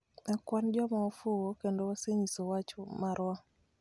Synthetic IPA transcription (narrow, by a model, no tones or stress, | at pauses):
akwand͡ʒɔmaɔfʊokendowaseɲisowat͡ʃomaɾwɔ